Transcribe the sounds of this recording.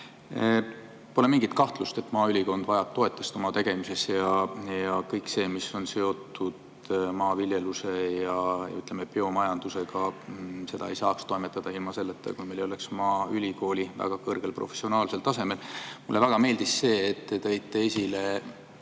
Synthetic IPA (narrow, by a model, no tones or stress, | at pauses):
pole̞miŋɡ̥it̪kɑht̪lust̪e̞t̪ːˑmɑːylʲiko̞nd̪̥vɑjɑb̚t̪ːo̞e̞t̪ːˑest̪o̞mɑt̪e̞ɡ̥e̞mise̞sejɑjɑkɤjkse̞ːmiso̞nse̞o̞t̪ːˑud̪ | mɑːviljeluse̞jɑjɑ̰yt̪ːˑlemepeo̞mɑjɑnd̪̥use̞ɡ̥ɑse̞d̪ɑ̰ejsɑːkst̪o̞jmet̪ːˑɑd̪̥ɑilmɑse̞lːet̪ːˑḛkujmejlo̞le̞ksmɑːylʲiko̞ːlʲivæ̰ɡ̥ɑkɤrɡ̥e̞lprʔo̞̰fesio̞nɑːlselt̪ɑse̞me̞lmṵlːevæɡ̥ɑme̞ːld̪isːe̞ːet̪ːe̞t̪ɤjt̪ˑːe̞esʲile̞